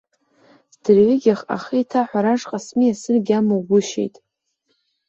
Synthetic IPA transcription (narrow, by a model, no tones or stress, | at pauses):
sdɨrʕɪɡʲaχa̰χiitʰaħʷaɾaʂqʼasmijasɨrɡʲamowɡʷʊʃḛjtʼ